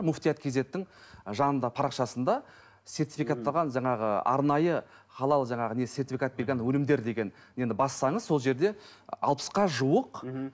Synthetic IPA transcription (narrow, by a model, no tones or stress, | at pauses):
mʊft̪ijat̪kʲʰe̞ze̞t̪ːɪŋʒɑnənd̪ɑpʰɑɾɑqʃɑsənd̪ɑ | se̞rt̪ifikat̪ːɑʁɑnʒɑɴɑʁəɑ̰ɾnɑjə | χɑlˠɑlˠʒɑɴɑʁəne̞sʲe̞rt̪ifʲikat̪̚be̞ɾɡʲenwɵlɪmd̪e̞ɾd̪e̞ɡʲe̞n | e̞nd̪ɪbɑssɑɴəzso̞lˠʒe̞ɾd̪e̞ɑ̰lˠpə̥sqɑʒuəq